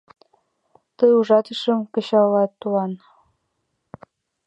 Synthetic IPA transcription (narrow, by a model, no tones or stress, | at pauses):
t̪ɤjuʐɑt̪ɤə̆ʃə̆mkɤ̆ɕɑlːɑt̪ːuɑn